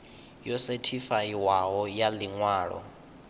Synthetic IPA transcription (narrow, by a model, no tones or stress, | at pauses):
jɔsetʰifaiwaɦɔjaliŋwaːɺɔ̰